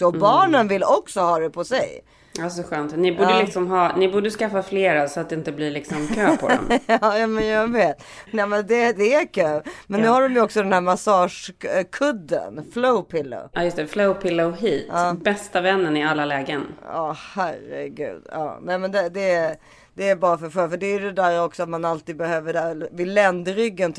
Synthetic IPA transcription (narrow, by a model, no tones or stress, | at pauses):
ɔbɑːɳənvɪlːɔksɔhɑːd̪ɛpʰɔsɛ̰j | asɔɧœːnt̪nɪbuːdəlɪksɔmɦɑːnɪbuːɖəskafːafleːɾasɔat̪̚d̪ɪnt̪əbliːɭɪksɔmkʰøːpʰɔd̪ɛ̰mɑːjaːmɛnjaveːt̪ | nɛmɛnd̪ɛd̪ɛæɾkʰøːmɛnnːʉ̟ːhaɖɔmjɵɔksɔd̪ɛnhæɾmasɑːʂkʰɵd̪ːə̰nfloʊpʰɪlːo̰ʔɑːjɵst̪ɛfloʊpʰɪlːoɦiːt̪ʔɑːbɛst̪avɛnːənɪalːalɛːɡənɑːhæɾə̰ɡʉ̟̰ːd̪̥ɑ̰ːnɛmɛnd̪ɛd̪ɛ | d̪̥ɛːɾbɑːɾafœɾfœːfœɖɛːdɛd̪æːɾɔksɔat̪manalt̪iːd̪bɛhøːvəɖɛvɪlːɛnd̪ɾʏɡːənt̪